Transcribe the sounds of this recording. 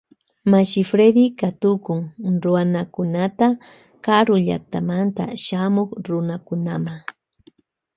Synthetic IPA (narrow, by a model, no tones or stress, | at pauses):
maʃɪfɾed̪ikat̪ʊkʊŋɾʊanakʊnat̪a | kaɾʊʎa̰k̚t̪amant̪a̰ʃamoχɾʊnakʊnamaŋ